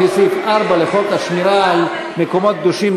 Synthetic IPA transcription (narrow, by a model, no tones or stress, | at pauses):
isut̪aʁbaleχokaʃmiɾaːl | mekomo̞t̪̚k̚d̪uʃim